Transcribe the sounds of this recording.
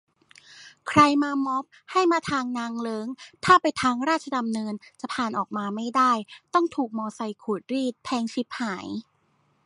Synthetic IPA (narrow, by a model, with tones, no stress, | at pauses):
kʰɾa˧jmaː˧mɔ˦˥p̚ha˥˩jmaː˧t̪ʰaː˧ŋnaː˧ŋlɤː˦˥ŋt̪ʰaː˥˩pa˧jt̪ʰaː˧ŋɾaː˥˩a˧da˧mnɤː˧nt͡ɕa˨˩pʰaː˨˩nʔɔː˨˩k̚maː˧ma˥˩jdaː˥˩jt̪ɔ˥˩ŋt̪ʰuː˨˩k̚mɔː˧sa˧jkʰuː˨˩t̪̚ɾiː˥˩t̪̚pʰɛː˧ŋt͡ɕʰi˦˥p̚haː˩˦j